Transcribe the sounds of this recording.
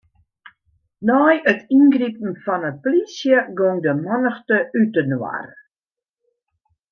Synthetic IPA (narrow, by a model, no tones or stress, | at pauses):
nɔːjətinɡripn̩fɔnəplisjəɡoŋdəmɔnəxtəʔytənwa̰r